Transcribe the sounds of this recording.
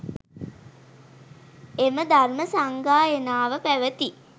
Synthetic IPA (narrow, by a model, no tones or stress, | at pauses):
eməd̪arməsaŋɡaːenaːʋəpæʋət̪i